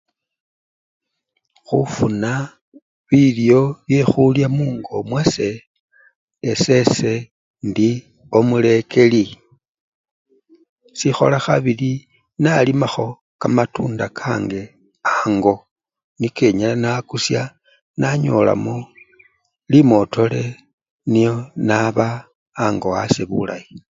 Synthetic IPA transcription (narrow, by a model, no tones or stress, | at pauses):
xufuna | βiljo̞βje̞xuljamuːŋɡo̞mwase̞ | ese̞se̞ | ndi | o̞mule̞kʰe̞li | sixo̞̰laxaβili | nalimaxo̞ | kamatuːndakʰaŋɡe̞ | aŋɡo̞ | nike̞ɲalanakusja | naɲo̞la̰mo | limo̞tʰo̞le̞ | nijo̞naβaː | ŋɡo̞a̰se̞βṵla̰ji